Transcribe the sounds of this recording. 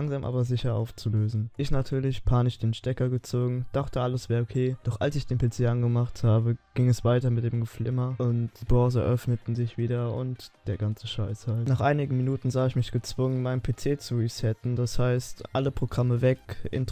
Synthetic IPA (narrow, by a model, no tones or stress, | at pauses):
aŋzaːmʔa̰ːbɐzɪçɐʔa̰ʊft͡suløːzn̩ʔɪçnatʰyːɐlɪçpʰaːnɪʃd̥eːnʃtɛkɐɡət͡soːɡŋ̩d̥aχtəʔaləsv̥ɛːɐokʰeːd̥ɔχʔa̰lsɪçd̥eːnpʰet͡seːʔanɡəmaχthaːbəɡ̥ɪŋɛsv̥aɪtɐmɪt̚d̥eːmɡəflɪmɐʔʊntd̥iːbœʁzə̰ʔœfnətn̩zɪçv̥iːdɐʊ̰ntd̥eːɐɡant͡səʃaɪshalnaːχʔaɪnɪɡn̩minuːtn̩zaːɪçmɪçɡ̥ət͡sv̥ʊŋənmaɪnəpʰeːt͡seːt͡suisɛtn̩d̥ashaɪstʔaləpʁ̥oɡʁaməvɛkʔɪ̰nt